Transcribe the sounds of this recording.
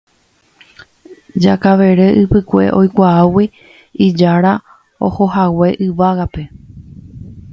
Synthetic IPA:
d͡ʒakaʋe̞ɾe̞ʔɨpɨkʷe̞̰ʔo̞jkʷaawi | id͡ʒaɾa | o̰ho̞ɦawe̞ʔɨʋaɣape̞

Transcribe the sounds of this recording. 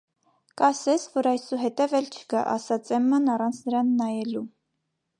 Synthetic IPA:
kɑsɛt͡sʰvɔɾɑjsuɦɛt̪ɛvɛlt͡ʃʰə̥kɑ̰ʔɑ̰sɑt͡sɛmːɑnɑrɑnt͡sʰnəɾɑnːɑjɛlu

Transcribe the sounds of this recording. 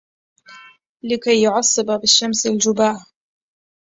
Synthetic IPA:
lɪkajːʊʕɑsˤːɨbabɪʃːamsald͡ʒʊbaːʕ

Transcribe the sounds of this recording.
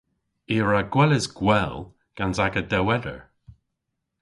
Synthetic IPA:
iːɹaɡwɛlɪzɡ̥wɛl | ɡ̥anzaɡədɛwɛdə̰ɹ

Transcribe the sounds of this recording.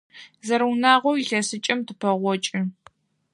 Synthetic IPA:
zɐɾɐwunaːʁʷɔwiɬɐsɨt͡ʃʼɐmtʰɨpʰɐʁʷɔt͡ʃʼɪ

